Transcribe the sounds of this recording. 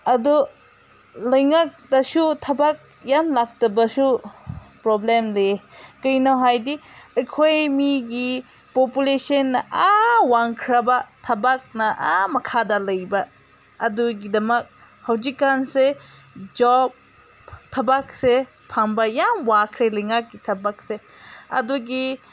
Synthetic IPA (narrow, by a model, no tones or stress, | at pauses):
ɐdu | lɐjŋak̚dɐsutʰɐbak̚ | jamlak̚tɐbɐsu | pɾɔblemlekɯjnawɦajdiɐjkʰojmiɡi | populesɐnːɐʔawaŋkʰɾɐbatʰɐbak̚nɐʔamɐkʰadɐlɐjbɐː | duɡidɐmɐk̚ | hɐwzikːanse | d͡ʒɔb̚ | tʰɐbak̚se | pʰaŋbajamwakʰɾelɐjŋak̚ɡitʰɐbak̚se | ɐ̰duɡi